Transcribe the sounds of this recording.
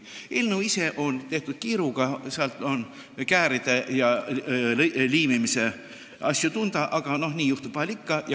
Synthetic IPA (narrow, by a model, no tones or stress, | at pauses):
eːlneuwise̞ʔo̞nt̪e̞ht̪ud̪̥̚kiːɾuɡ̥ɑseɑlt̪ːˑo̞n | kæːɾid̪̥e̞jɑ | liːmimise̞ | ʔɑsʲjut̪und̪̥ɑʔɑɡ̥ɑno̞hniːjuht̪upɑlʲikːɑjɑ